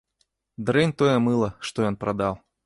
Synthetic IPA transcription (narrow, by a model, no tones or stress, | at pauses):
d̪ɾɛnʲt̪ojɛmɨlˠɐʂt̪ojɔnpɾɐd̪alˠ